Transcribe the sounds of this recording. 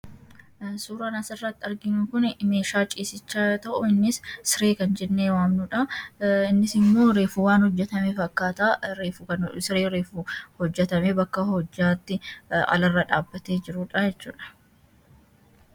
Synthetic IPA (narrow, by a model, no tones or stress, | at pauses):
suːɾaːnɐsɪrːɐt̪ːɪɐɾɡɪnʊkʊnɪme̞ːʃaːt͡ʃʼiːsɪt͡ʃːaːt̪ɐʔʊɪnːɪssɪɾeːkɐnd͡ʒɛnːeːwaːmnuᶑɐɪnːɪsɪmːo̞ːɾe̞ːfuːwaːnhɔd͡ʒːɛt̪ɐmeːfɐkːaːt̪aɾeːfukɐnsɪɾeːɾeːfuhɔd͡ʒːɛt̪ɐmeːbɐkːɐhɔd͡ʒːaːt̪ːɪɐ̰lɐrːɐᶑaːbːɐt̪eːd͡ʒɪɾuᶑɐjɛt͡ʃːuːᶑɐ̥